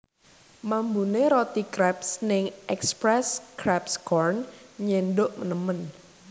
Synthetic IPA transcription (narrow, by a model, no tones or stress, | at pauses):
mambuneɾot̪ikɾɛpsnɪŋʔɛkspɾɛskɾɛpskɔrnɲendʊʔmənəmən